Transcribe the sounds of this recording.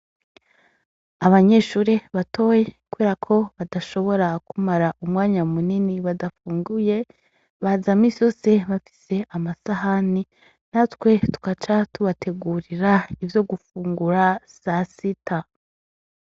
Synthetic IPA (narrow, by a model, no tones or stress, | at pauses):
aβaɲe̞ʃuːɾeβato̞jekuβeːɾakʰo̞βadaʃo̞βo̞ɾakumaɾaʔumŋaːɲamuniniβadafuːŋɡuje̞ | βazamiːsijo̞ːse̞βafi̥se̞ʔamasahani | natwe̞tu̥kat͡ʃatuβatʰe̞ɡuːɾiɾaivjo̞ɡufuːŋɡuɾasasita